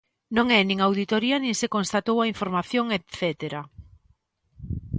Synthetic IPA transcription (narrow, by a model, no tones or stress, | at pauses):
nõŋɛnĩŋawðit̪oɾiɐnĩŋsekõnst̪at̪owaiɱfoɾmaθjoŋet̪θɛt̪eɾa